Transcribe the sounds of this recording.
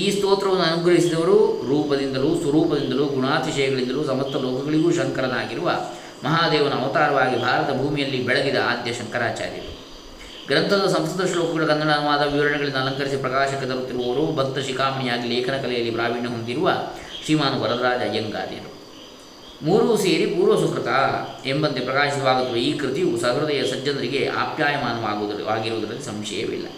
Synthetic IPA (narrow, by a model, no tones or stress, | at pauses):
iːst̪oːt̪ɾɐʋɐnːuɐnuɡɾɐɦisid̪ɐʋɐɾuɾuːpɐd̪ind̪ɐluːsʋɐɾuːpɐd̪ind̪ɐluːɡuɳaːt̪iʃɐjɐɡɐɭind̪ɐluːsɐmɐst̪ʰɐloːkʰɐɡɐɭiɡuʃɐŋkɐɾɐnaːɡiɾuʋɐ | mɐɦaːd̪ɛːʋɐnɐːʋɐt̪aːɾɐʋaːɡibʱaːɾɐt̪ɐbʱuːmijɐlːibɛɭɐd̪id̪ɐaːd̪jɐʃɐŋkɐɾaːt͡ʃa̰ːɾjɐ̰ɾṵ | ɡɾɐnt̪ʰɐd̪ɐsɐmsɐd̪ɐʂloːkɐɡɐɭukɐnd̪ɐɽaːnuʋaːd̪ɐʋiʋɐɾɐɳɛɡɐɭind̪ɐːlɐŋkɐɾisipɾɐkaːʃɐkːet̪ɐɾut̪ːiɾuʋɐʋɐɾubʱɐt̪ːɐʃikaːmɐɳijaːɡileːkʰɐnɐkɐlɛjɐlːipɾaːʋiːɳɳɐɦond̪iɾuʋɐʃimaːnuʋɐɾɐd̪ɾaːd͡ʒɐjɐŋɡa̰ːɾjɐ̰ɾṵ | muːɾuseːɾipuːɾʋɐsuskɾɐk̪aembɐnd̪epɾɐkaːʃisɐʋaːɡut̪ːɐʋeiːkɾit̪ijusɐɡɾɐd̪ɐjɐsɐd͡ʒːɐnd̪ɾiɡe̞ʔa̰ːpjaːjɐmaːnɐaːʋaːɡiɾuʋud̪ɐɾɐlːisɐmʃɛ̰jɐ̰ʋḭlːɐ̰